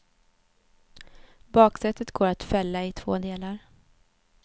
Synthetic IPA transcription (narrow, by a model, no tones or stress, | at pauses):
bɑːksɛt̪ːət̪ɡoːɾat̪fɛlːaɪt̪ʰvoːd̪eːlaɾ